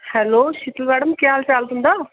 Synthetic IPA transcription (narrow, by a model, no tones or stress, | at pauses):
hɛːloːʃɪt̪əlʋɛːɽəmkɪjaːlt͡ʃaːld̪ɦʊ̃nd̪aː